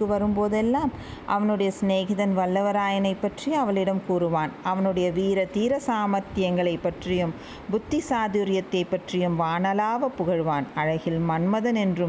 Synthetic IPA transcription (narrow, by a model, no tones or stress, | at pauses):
kːɯʋɐɾɯmpoːðɛlːaːm | ʔɐ̰ʋɐnɯɽɐjɐsneːɣɪðɐnʋɐlːɐʋɐɾaːjɐnɐɪpːɐʈrɪjɐʋɐɭɪɽɐmkuːɾɯʋaːnʔɐʋɐnɯɽɐjɐʋiːɾɐt̪iːɾɐsaːmɐɾt̪ɪjɐŋɡɐɭɐɪpːɐʈrɪjɯm | bʊt̪ːɪsaːðɪɾɪjɐt̪ːɐɪpːɐʈrɪjɯmʋaːnɐlaːʋɐpːʊɣɐɻʋaːnɐɻɐɣɪlmɐɳmɐðɐnɛndrɯm